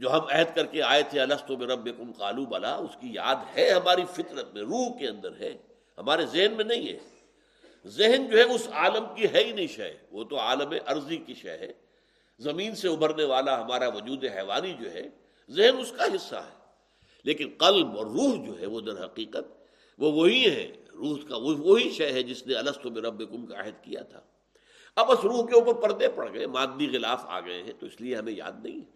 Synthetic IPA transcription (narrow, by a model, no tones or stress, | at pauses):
d͡ʒoːɦɐmɛɦɛd̪kɐɾkeaːet̪ʰeɐlɐst̪õbɪɾɐbːɪkʊmqaːlubɐla̰ʊskija̰ːd̪hɛɦɐmaːɾifɪt̪ɾət̪̚mẽɾuːɦkeɐ̃nd̪əɾɦɛ̰ː | hɐmaːɾezeɦnmẽnɐɦĩɦɛ̰ː | zɪɦənd͡ʒoːɦɛʊsaːləmkiɦɛinɐɦĩʃɛ̰ʋot̪oaːləmɦɛ̰̃ʔɐɾzikiʃɛ̰ɦɛ̰ː | zɐmĩːnseʊbʱəɾneʋaːlaɦɐmaːɾaʋɐd͡ʒuːd̪eɦɛːʋa̰ːnid͡ʒo̰ːɦɛ̰ | zɪɦnʊskaɦɪsːa̰ɦɛː | leːkɪnqɐlbɔːɾːuːɦd͡ʒo̰ːɦɛʋod̪ɐɾɦɐqiːqət̪̚ | ʋoʋoɦiɦɛ̰ɾuːɦkaʋoʋoɦiʃɛjɦɛd͡ʒɪsneɐləst̪õmẽɾɐbːekʊmkaɪ̰ɦəd̪kija̰t̪ʰa̰ː | ɐbɐsɾuːɦkeʊpəɾpɐɾd̪epɐɽ̤ɡɐemaːd̪ːixɪlaːfa̰ːɡɐḛɦɛ̰̃t̪oɪslieɦɐmẽja̰ːd̪nɐ̰ɦĩɦɛ